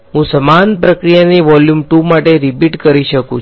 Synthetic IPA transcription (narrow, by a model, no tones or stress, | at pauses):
ɦũsəmanpɾəkɾijaniʋɔljumʈumaʈeɾipiʈkəɾiʃəkṵ̃t͡ʃ